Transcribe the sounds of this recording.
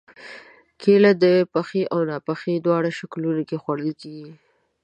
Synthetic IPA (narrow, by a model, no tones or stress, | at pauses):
kʰelad̪əpaxeʔawnɑpaxed̪wɑɽaʃaklunakexwaɽəlkeɡi